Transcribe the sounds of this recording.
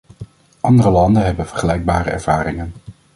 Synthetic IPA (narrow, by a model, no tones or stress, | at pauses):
ʔɑndərəlɑndənɦɛbənv̥əɹχəlɛjɡ̚baːrə̰ɛ̰ɹv̥aːrɪŋən